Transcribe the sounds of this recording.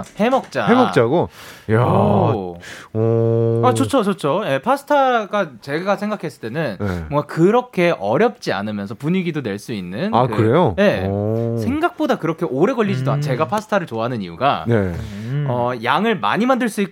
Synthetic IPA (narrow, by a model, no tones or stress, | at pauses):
he̞mʌk̚t͡ɕ͈a̰emʌkt͡ɕ͈aɡoja | at͡ɕot͡ɕʰot͡ɕot͡ɕʰoje̞pʰasʰɯ̥tʰaɡat͡ɕe̞ɡasʰeŋɡakʰe̞s͈ɯɭt͈e̞nɯnneboʌŋɡakɯɾʌkʰe̞ʔʌɾjʌp̚t͡ɕ͈ia̰nɯmjʌnsʰʌpuɲiɡidonwe̞ɭs͈uinːɯnakɯkɯɾe̞joje̞sʰeŋɡak̚p͈odakɯɾʌkʰe̞ʔoɾe̞ɡʌʎːid͡ʑidoant͡ɕe̞ɡapʰasʰɯ̥tʰaɾɯɭt͡ɕoaɦanɯnijuɡaneʌjaŋɯɭma̰ɲimandɯɭs͈ui